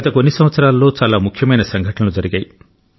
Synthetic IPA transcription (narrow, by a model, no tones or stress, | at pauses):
ɐt̪ɐkonːisɐmʋɐt̪sɐɾaːlːoːt͡ʃaːlaːmukʰjɐmɐjnɐsɐŋɡʱɐʈɐɳɐlud͡ʒɐɾiɡaːj